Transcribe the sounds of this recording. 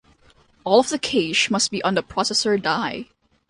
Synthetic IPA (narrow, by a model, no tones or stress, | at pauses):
ɔlˠɔvðəkʰeɪʃmʌst̚b̥iʔə̃nðəpʰɹ̥ɔsɛsə˞daɪ